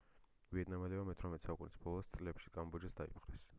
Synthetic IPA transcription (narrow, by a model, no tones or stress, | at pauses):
viɛd̪namɛlɛamɛt̪ʰɾamɛt̪saukʼunisbɔlˠɔst̪sʼlɛpʃi̥kʼambud͡ʒasd̪aḭpʰχʼɾɛs